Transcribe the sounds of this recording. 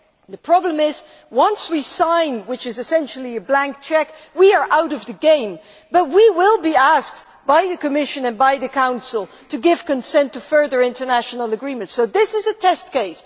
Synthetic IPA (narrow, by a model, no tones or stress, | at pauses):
ðɨpʰɹ̥ɑblə̃mɪz | wʌ̃nswisãɪ̃nwɨt͡ʃɨzɨsɛ̃nʃl̩ˠiɨblæ̃ŋk̚t͡ʃʰɛkwiə˞ʔaʊɾʌvðɨɡẽɪ̃m | bʌt̚wiwɪlˠbiæsk̚ | b̥aɪðɨkɨmɪʃɨ̃nɨ̃nbaɪðɨkʰãʊ̃nsl̩ˠ | tʰɨɡɪv̥kɨ̃nsɛ̃ntɨfɜ˞ðə˞ɪ̃ntə˞næʃn̩l̩ˠəɡɹĩmɨ̃ntsoʊðɪsɨzɨtʰɛstkeɪs